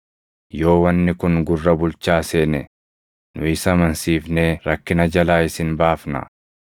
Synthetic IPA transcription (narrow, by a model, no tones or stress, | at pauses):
jo̞ːwɐnːɪkʊŋɡʊrːɐbʊlt͡ʃːaːse̞ːnɛ | nʊɪsɐmɐnsiːfneːɾɐkːɪnɐd͡ʒɐlaːɪsɪnbaːfnɐ̰